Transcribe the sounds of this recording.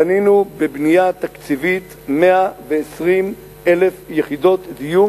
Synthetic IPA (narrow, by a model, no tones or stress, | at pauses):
aninubebnijat̪akt͡sivit̪ | meaveːsʁim | elefjeχid̪o̞t̪d̪iju